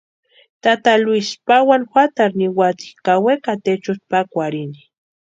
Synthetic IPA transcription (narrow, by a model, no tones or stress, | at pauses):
t̪at̪alwispawanxʷwat̪aɾniwat̪i̥kawekat̪et͡ʃʊspakʷaɾini̥